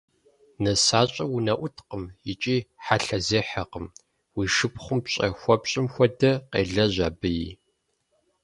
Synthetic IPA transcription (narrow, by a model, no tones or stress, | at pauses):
nɐsaːɕʼɐwunɐʔʷʊtʰqəmjɪt͡ʃʼiːħaɬɐzeːħɐqəm | wiːʂɨpʰχʷʊmpɕʼɐ̰xʷɔpɕʼɪmxʷɔdɐqḛːɮɐʑa̰ːbɨjḭ